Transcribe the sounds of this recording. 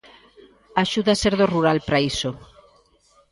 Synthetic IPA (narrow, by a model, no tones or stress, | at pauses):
aʃuðaseɾðoruɾalpɾaiso